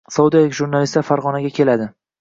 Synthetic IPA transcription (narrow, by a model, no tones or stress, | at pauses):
sɒwud̪ijalɪkʲʒuɾnalist̪aɾfaɾʁɒnaɡʲakʲʰe̞lad̪ɪ